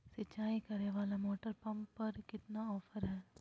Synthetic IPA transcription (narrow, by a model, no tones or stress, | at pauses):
sɪt͡ʃːaːikɐɾeʋaːlamoːʈəɾpɐ̃mpːɐɾkɪt̪naɔːfəɾɦɛː